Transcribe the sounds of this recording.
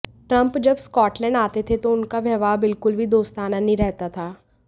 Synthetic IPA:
ʈɾɐ̃mpd͡ʒɐbskɔːʈlɛ̃ːɳɖaːt̪et̪ʰet̪oʊnkaʋjɐʋaːbɪlkʊlbʱid̪oːst̪aːnanɦĩɾɛɦt̪at̪ʰaː

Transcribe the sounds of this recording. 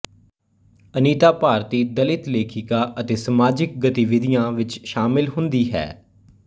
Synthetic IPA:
əniːt̪aːpaːɾt̪iːd̪əlɪt̪leːkʰɪkaːʔət̪eːsəmaːd͡ʒɪk̚ɡət̪iʋɪd̪ijãːʋɪt͡ʃʃaːmɪlɦʊ̃nd̪iːɦɛ̰ː

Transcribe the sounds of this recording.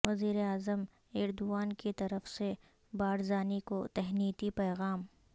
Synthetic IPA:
ʋɐziːɾeaːzəm | ɪɾd̪uʋaːnkit̪ɐɾəfse | baːɽzaːnikot̪ɛɦniːt̪ipɛːɣaːm

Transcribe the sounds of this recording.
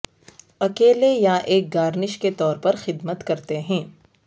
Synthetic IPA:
ɐkeːlejaʔeːk̚ɡaːɾnɪʃket̪ɔːɾpɐɾxɪd̪mət̪kɐɾt̪eɦɛ̃ː

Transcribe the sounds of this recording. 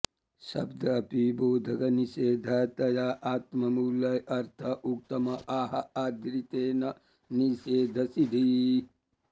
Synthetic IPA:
sɐbd̪ʱɐːpiboːd̪ʱɐkɐniseːd̪ʱɐt̪ɐjaːʔaːt̪mɐmuːlɐjɐɾt̪ʰɐʔuk̚t̪ɐmɐʔaːɦɐaːd̪ɾit̪eːnɐ | niseːd̪ʱɐsid̪ʱi

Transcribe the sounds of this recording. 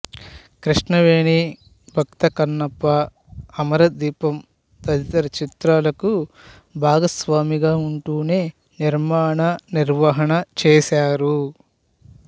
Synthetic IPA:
kɾiʂɳɐʋeːɳi | bʱɐk̚t̪ɐkɐnːɐpːɐː | mɐɾɐd̪iːpɐm | t̪ɐd̪it̪ɐɾɐt͡ʃit̪ɾaːlɐku | bʱaːɡɐsʋaːmiɡaːuɳʈuːne̞ː | niɾmaːɳɐniɾʋɐɦɐɳɐt͡ʃɛːsaːɾu

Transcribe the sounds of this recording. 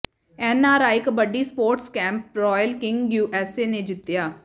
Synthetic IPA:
ɛːnaːɾaːɪkbəɖiːspoːɾʈskɛ̃ːmp̚ɾɔːjəlkɪŋɡjuːʔɛːseːneːd͡ʒɪt̪ːɪjaː

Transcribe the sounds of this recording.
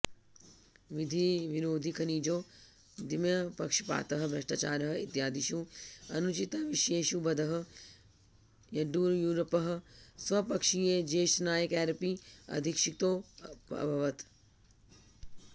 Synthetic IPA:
ʋid̪ʱiʋiɾoːd̪ʱikʰɐniːd͡ʒoː | d̪imjɐpɐkʃi̥pa̰ːt̪ɐɦ̆bʱɐʃʈat͡ʃaːɾɐɦɐ̆ḭt̪jaːd̪iʃuɐnut͡ʃit̪ʋiʃeːʃubɐd̪ʱɐɦ̆ | jɐɖuːɾjuːɾɐpɐɦ̆sʋɐpɐkʃijed͡ʒeːʃnaːjəkɛːɾɐpiɐ̰d̪ʱikʃik̚t̪oːɐ̰bʱɐʋɐt̪

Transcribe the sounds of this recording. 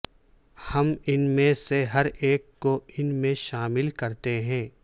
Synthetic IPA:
hɐmɪnmẽseɦɐɾeːkːoɪnmẽʃaːmɪlkɐɾt̪eɦɛ̃ː

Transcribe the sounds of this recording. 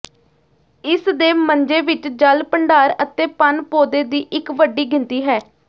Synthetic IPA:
ɪsd̪eːməɲd͡ʒeːʋɪt͡ʃd͡ʒəlpəɳɖaːɾət̪eːpənpoːd̪eːd̪iːʔɪkʋəɖiːɡɪnt̪iːɦɛː

